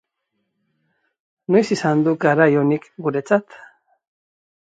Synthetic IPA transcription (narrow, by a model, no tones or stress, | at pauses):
nojsisand̪uɡaɾajonikɡuɾe̞t͡sat̪